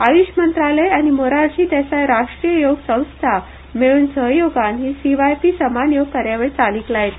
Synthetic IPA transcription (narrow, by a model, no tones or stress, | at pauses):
aʋiɕmənt̪ɾaləjanimoɾaɾt͡ɕiːt̪asajɾaʂʈɾijəjoɡsə̃w̃st̪ʰa | meɭuːnsəɦjoɡanɦiːsiʋajpiːsəmanjoɡkəɾjaʋeɭt͡saliklajet̪